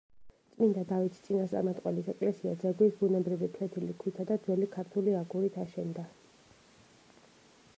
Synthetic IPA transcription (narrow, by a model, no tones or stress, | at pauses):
t̪sʼmind̪ad̪avit̪ʰt̪sʼinast̪sʼa̰ɾmat̪ʼqʼwɛlisɛkʼlɛsiad̪zɛɡwisbunɛbɾivipʰɾɛt̪ʰilikʰwit̪ʰad̪ad̪zwɛlikʰaɾt̪ʰuliaɡuɾit̪ʰaʃɛnd̪a